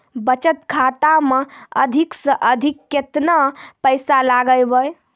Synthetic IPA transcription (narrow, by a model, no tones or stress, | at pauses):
bət͡ʃət̪kʰat̪ameəd̪ʱiksə̃ʔəd̪ʱikːet̪napəjsalaɡəjbəj